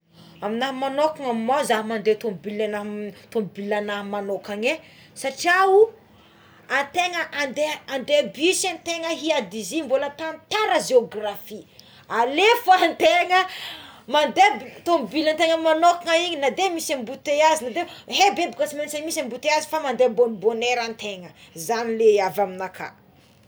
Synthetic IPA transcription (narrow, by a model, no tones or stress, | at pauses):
aminaɦmanokaŋamimazaɦmand̪et̪ombilanat̪ombilanamanokaŋe | saʈ͡ʂiau | at̪eŋəʔand̪eand̪ebisant̪eŋəɦiad̪izimbolət̪ant̪aɾəzeoɡrafi | alefant̪eŋəmand̪ebit̪ombilant̪eŋəmanokaŋaiɲinad̪emisambut̪eazinad̪eɦebebikasimensanmisambut̪eazi̥famand̪ebonboneɾant̪eŋəzanileavaminakʰa̰